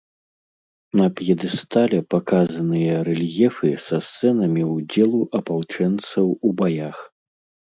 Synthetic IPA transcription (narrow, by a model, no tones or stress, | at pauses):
nɐpjɛd̪ɨst̪alʲɛpakazɐnɨjɐɾɛlʲjɛfɨsɐst̪sɛnɐmʲiwd͡zʲɛlˠuʔɐpawt͡ʂɛnt̪sɐwubajax